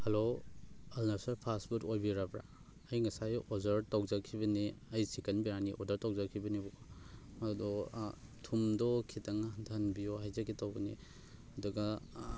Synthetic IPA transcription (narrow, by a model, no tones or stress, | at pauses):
hɐlo | ɐlnasɐɾpʰasbutojbiɾabɾa̰ | ɐjŋɐsajɔzɐɾtawzakʰibɐniɐjsikɐnbiɾaniʔɔdɐɾtawzakʰibɐnibɔ | ɐdɔtʰumdɔkʰitɐŋahntʰanbijoɦajzakʰitawbɐni | ɐduɡɐ